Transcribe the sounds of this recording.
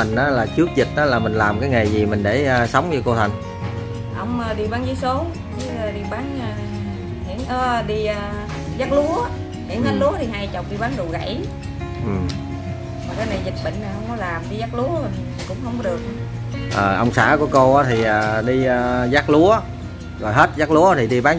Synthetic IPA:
ŋ̟ʔaː˨˦laː˨˩t͡ɕɨ˦˥ək̚zï˨˩t̚ʔaː˨˦laː˨˩mï˨˩ŋ̟laː˨˩mkaː˨˦jŋa˨˩jzi˨˩mï˨˩ŋ̟ɗe˧˩əː˨˩sə˨˦wŋ͡mɲɨ˧ko˧t̪ʰa˨˩jŋ̟ | ʔə˧wŋ͡mʔəː˨˩ɗi˧ɓaː˨˦nzi˨˦so˨˦ | ki˨˦əː˨˧ɗi˧˩ɓaː˨˦nəː˧ | hḭ˧˩ənʔəː˧ɗi˧əː˨˧˩ | zaː˦˥k̚lu˨˦ə | hḭ˨˧˩nzəː˨˦˥t̚lu˨˦ət̪ʰi˨˩ɦaː˧jt͡ɕə˨˩wk͡p̚ɗi˧ɓaː˨˦nzṵ˧˨ɣa̰˧˩j | ʔɨ˨˩m | vaː˨˩kaː˨˧˦na˨˩jzï˨˩k̚ɓə̰˧˨ŋ̟a˨˩hə˧wŋ͡mkɔ˨˦laː˨˩mɗi˧zaː˦˥k̚lu˨˦əo˨˩j̪ʰi˨˩kʊ̰˧˥ŋ͡mhə˧wŋ͡mkɔ˨˦ɗɨ˨˩ək̚ | ʔəː˨˩ʔə˧wŋ͡msa̰ː˧˥ku˧˩əko˧ʔaː˨˦t̪ʰi˨˩ʔəː˨˩ɗi˧əː˧zaː˦˥k̚lu˨˦ə | zɔ˨˩jɦe˦˥t̚zaː˦˥k̚lu˨˦ət̪ʰi˨˩ɗi˧ɓaː˨˦n

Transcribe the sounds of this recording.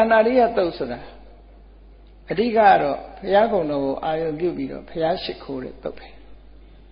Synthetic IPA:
tã˨na˨di˦˨ʔa˦˨t̪o˦ʊʔsʰo˨ɾa˨ | ʔədḭ˦˨ka̰˦˨ʔɾɔ̰˦˨pʰəja˦ɡõ˨ʊ̃nɔ˨ɡo˨ʔa˨jõ˨mp̬jṵ˦˨pi˦ɾɔ̰˦˨pʰəja˦ʃɪ˦˨kʰːo˦ɾɛ̰˦˨t̪o˦ʊpʰːɛ̥˨

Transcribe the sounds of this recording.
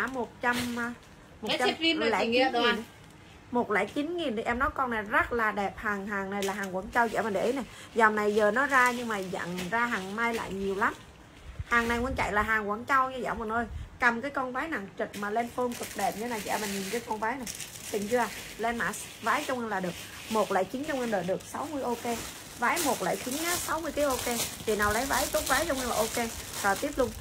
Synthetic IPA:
aː˧˥˩mo˨˩t̚t͡ɕa˧mː˧ | mo˨t͡ɕa˧˦mi˧n˨˦˨lɛ̰˧˨ŋi˨˧˦m˨˩n˨ | mo˨˩t̚lɛ̰˧˩t͡ɕi˨˦nŋi˨˩ni˨˧˩ʔɛ˧mnɔ˨˦jkɔ˧na˨˩jzə˦˥t̚laː˨˩ɗɛ˨˩p̚haː˨˩ŋɦaː˨˩ŋna˨˩jlaː˨˩ɦaː˨˩ŋkwaː˧˩˦nt͡ɕa˧wt͡ɕḭ˧˥˩maː˨˩nɗɛ˨˧˩ʔə˨˦na˨˩jza˨˩wŋ͡mna˨˩jzəː˨˩nɔ˨˦zaː˧ɲɨ˧ŋmaː˨˩za̰˧˨ŋzaː˧ɦaː˨˩ŋma˧jla̰ː˧˨jɲi˨˩əwla˨˦m | haː˨˩ŋna˨˩jŋwə˧nt͡ɕa̰˧˨jlaː˨˩ɦaː˨˩ŋkwaː˧˩˦nt͡ɕa˧wɲa˧˩za̰ː˧˩wmə˨˩ŋʔəː˧jka˨˩mkaː˨˦jkɔ˧nvaː˨˦jna˧˩˨ŋt͡ɕɨ˨˩t̚maː˨˩le˧nfoː˧ŋkɨ˨˩k̚ɗe˨˩p̚ɲɨ˧˦naː˨˩t͡ɕɛ̰ː˧˩ma˨˩ɲi˨˩nkəː˨˦jkɔ˧nvaː˨˦jna˨˩ | t̪i˨˩ŋt͡ɕɨ˧ʔaː˨˩ | lɛ˧nmaː˧˩s | vaː˨˦jt͡ɕɔ˧wŋ͡mʔə˧nlaː˨˩ɗɨ˨˩ək̚ | mo˨˩t̚la̰ː˧˨jt͡ɕi˨˦ŋt͡ɕɔ˧wʔə˧nɗəː˨˩ɗɨ˨˩ək̚sa˨˦wmɨ˧əjʔo˧ke˧ | vaː˨˦jmo˨˩t̚la̰ː˧˨jt͡ɕi˨˦ŋaː˨˦sa˨˦wmɨ˧əjt̪i˨˦ʔo˧ke˧ti˨˩naː˨˩wlə˨˦jvaː˨˦jt̪o˦˥t̚vaː˨˦jt͡ɕʊ˧ŋ͡mʔə˧nlaː˨˩ʔo˧ke˧zɔː˨˩t̪i˦˥əp̚lʊ˧ŋ͡m

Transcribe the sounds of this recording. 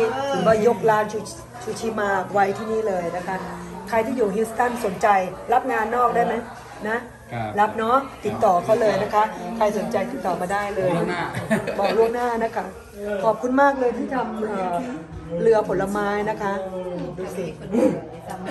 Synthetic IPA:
i˥˩ɯ˨˦baː˧˥˩jo˦˥k̚laː˦˥nt͡ɕʰuː˨˩ | t͡ɕʰuː˨˩t͡ɕʰiː˧maː˧k̚wa˦˥jt̪ʰiː˥˩niː˥˩lɤː˧jna˦˥kʰa˦˥kʰɾa˧jt̪ʰiː˥˩juː˨˩ɦi˦˥st̪a˥˩nso˨˩˦nt͡ɕa˧jɾa˦˥p̚ŋaː˧nːɔː˥˩k̚daː˥˩jma˦˥j | na˦˥ʔ | ɾa˦˥p̚nɔ˦˥t̪i˨˩t̪ːɔː˨˩kʰa˦˥wlɤː˧jna˦˥kʰa˦˥kʰa˧jso˩˦nt͡ɕa˧jt̪i˨˩t̪ːɔː˨˩maː˧daː˥˩jlɤː˧j | bɔː˨˩klu˥˩əŋ̚naː˥˩na˦˥kʰa˦˥˩ | kʰɔː˨˩p̚kʰu˧nmaː˥˩k̚lɤː˧jt̪ʰiː˥˩t̪ʰa˧˩mʔəː˨˩ɾɯ˧ɐpʰo˩˦la˧maː˦˥jna˦˥kʰa˦˥˧duː˧si˨˩ŋʔ

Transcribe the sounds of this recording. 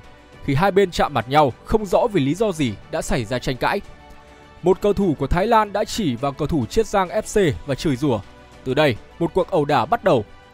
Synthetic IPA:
xi˨˩ɦaː˧jɓe˧nt͡ɕa̰ː˧˨ma˨˩t̚ɲa˧wxə˧wŋ͡mzɔ̰˧˥vi˨˩li˨˦zɔ˧zi˨˩ɗa̰ː˧˥sa˧˩jzaː˧t͡ɕa˧jŋ̟ka̰ː˧˥j | mo˨˩t̚kə˨˧˩wt̪ʰu˧˩ku˧˩ət̪ʰaː˨˦jlaː˧nɗa̰ː˧˥t͡ɕi˧˩vaː˨˩wkə˧˩wt̪ʰu˧˩t͡ɕi˦˥ət̚zaː˧ŋʔɛ˦˥t̚se˧vaː˨˩t͡ɕɨː˨˩jzɨ˧˩ə | t̪ɨ˨˩ɗə˧jmo˨˩t̚ku˨˩ək̚ʔə˨˩wɗaː˧˩ɓa˦˥t̚ɗə˨˩w

